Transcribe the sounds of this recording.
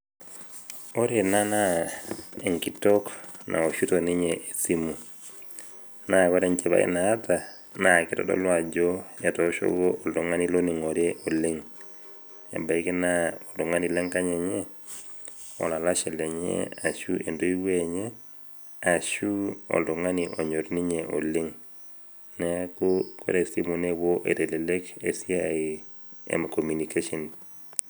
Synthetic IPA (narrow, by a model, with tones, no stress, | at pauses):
o˦ɾe˨na˦na˦ | e˨ŋki˨toknʔa̰˨o˨ʃu˦to˨ni˦ɲɛʔe˨si˦mu˨ | na˦˨kɔ˦ɾɛ˦ɲt͡ʃɛ˨βa̰˦ḭ˦naː˨˦ta˨na˦˨ki˦tɔ̰˨dɔ̰˦lwa˨d͡ʒɔ˦ja˨toʃo̰˦ɡoʔːldo˨ŋa˦ni˦lo˦ni˨ŋo˨ɾjeʔo˨le˦ŋ | ɛ̰˨ba˨i˦ki˦na˦o˨to˨ŋa˦ni˦lɛ˦ŋka˦ɲɛ˨ɲɛ˦ | o̰˨la˨laʃe˨le˨ɲḛa˨ʃue˨ndo˦iweɲe | a˨ʃuo̰˨ldo˨ŋaniʔo˨ɲo˨ɾniɲeʔo̰liŋ | nekuko̰˦ɾesimunewoʔe˨tele˨lekesiai | ḛmakomu˨nikeʃɔn